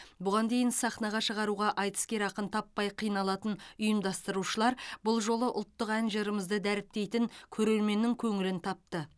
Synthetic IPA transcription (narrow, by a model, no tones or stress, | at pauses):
bʊʁɑnd̪e̞jɪnsɑχnɑʁɑʃəʁɑɾuʁɑʔɑjt̪ə̥skʲe̞ɾɑqənt̪ʰɑpːɑjqʰijnɑlˠɑt̪ənʊjəmd̪ɑst̪əɾuʃəlˠɑɾbʊlˠʒo̞lˠəʔʊlˠt̪ːəqænʒəɾəməzd̪əd̪æɾɪp̚t̪e̞jt̪ɪŋkʲʰɵɾe̞lme̞nːɪŋkʲʰɵŋɪlɪnt̪ʰɑp̚t̪ə